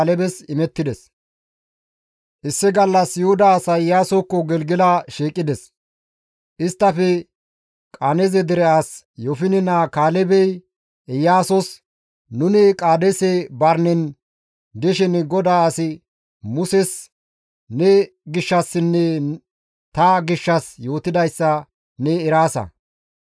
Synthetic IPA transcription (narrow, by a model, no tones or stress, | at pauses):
lɛbɛsɪmɛt̪ːɪd̪ɛs | ʔɪsːɪɡɐlːɐsjohʊd̪ɐːsɐjaːsɔkːɔɡɛlɡɪlaʃiːkʼːɪd̪ɛs | ʔɪst̪ːɐfɛ | kʼanɛzɛd̪ɪɾɛaːs | jɔfɪnɪnakaːlɛbɛj | ɛjaːsɔs | nʊnɪkʼaːd̪ɛsɛbɐɾnɛn | d̪ɛʃɪnɡɔd̪aːɐsɪ | mʊsɛs | nɛ | ɡɪʃːɐsːɪnːɛ | t̪ɐɡɪʃːɐsjo̞ːt̪ɪd̪ɐjsːɐ | nɛːɾaːsɐ̰